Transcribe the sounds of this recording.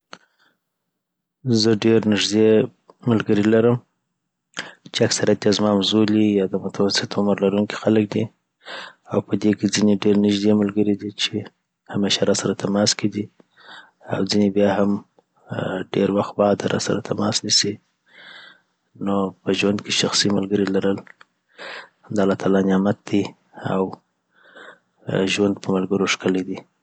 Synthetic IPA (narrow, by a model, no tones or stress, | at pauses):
zəɖeɾnɪʒd̪e | mʊlɡəɾilaɾəm | t͡ʃeaksaɾjat̪jazmɑmzulijɑd̪əmʊt̪ʰawasɪt̪ʊməɾlaɾuŋki̥xalək̚d̪i | awpəd̪eked͡zineɖeɾnɪʒd̪emʊlɡəɾid̪it͡ʃe | hameʃaɾasaɾat̪ʰamɑskʰed̪i | a̰wd͡zinebjɑham | ɖeɾwaxt̪̚bɑd̪ɾɑ̰saɾa̰t̪ʰamɑsnisi | nopəʒwand̪keʃaxsimalɡəɾilaɾəl | amd̪ɑlɑt̪alɑnjɑmat̪̚d̪i | a̰w | ʒwand̪pəmalɡəɾoʂkəled̪i